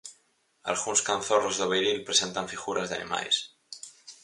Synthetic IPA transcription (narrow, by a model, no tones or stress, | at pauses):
a̰lɣunskanθorozðoβejɾilpɾesent̪aɱfiɣuɾʔazðea̰nḭma̰js